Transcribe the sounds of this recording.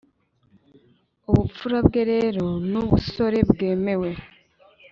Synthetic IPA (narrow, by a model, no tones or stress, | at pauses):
oβufuɾaβɡe̞ɾeɾonoβuso̞ɾe̞bɡe̞ːme̞we̞